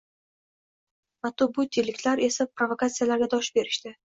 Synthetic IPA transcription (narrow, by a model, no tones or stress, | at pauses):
mat̪ʊbʊt̪ʰːilːɪkʲt̪laɾe̞sapɾovokat̪sijalaɾɡʲad̪ɒʃbe̞ɾɪʃt̪ɪ